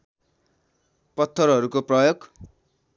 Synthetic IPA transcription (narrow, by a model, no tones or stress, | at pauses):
pʌt̪ʰːʌrɦʌɾukoprʌjoɡ